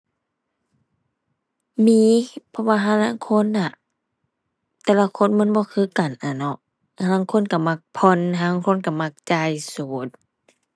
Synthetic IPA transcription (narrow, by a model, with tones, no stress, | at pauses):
miː˧˥˨pʰɔ˧waː˧ɦaː˧˥˨naː˧˥˨ŋkʰo˧˥˨nːa˧˩ | t̪ɛː˧la˧˨kʰo˧˥˨nma˧˥˨nbɔː˧˦kʰɯː˧˥˨ka˨nʔa˨˩nɔ˧ | ha˧na˧˨ŋkʰo˧˥˨nka˧˩ma˧˩k̚pʰɔ˧˨na˧a˧˥˨ŋkʰo˧˥˨nka˧˩ma˧˨k̚t͡ɕa˧˩˨jsuː˨˦t̪̚